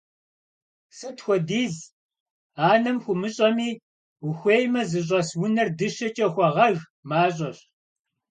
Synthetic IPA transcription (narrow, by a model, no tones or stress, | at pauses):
sɐtxʷɔdiːz | aːnɐmxʷʊmɨɕʼɐmiː | wʊxʷeːjmɐzɨɕ̬ʼɐswʊnɐrdɨʃɐt͡ʃʼɐxʷɔʁɐɣ | maːɕʼɐɕ